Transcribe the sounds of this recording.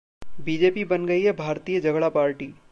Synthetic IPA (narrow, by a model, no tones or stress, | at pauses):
bid͡ʒeːpibənɡəiɦɛbʱaːɾt̪ijəd͡ʒɐɡɭapaːɾʈiː